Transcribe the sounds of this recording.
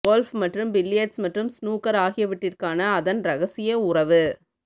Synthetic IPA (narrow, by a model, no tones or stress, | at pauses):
ɡoːlfmɐʈrɯmbɪlːɪjɐʈsmɐʈrɯmsnuːkɐɾaːɣɪjɐʋɪʈːɪrkaːnɐːðɐnɾɐɣɐsɪjɐʊɾɐʋɯ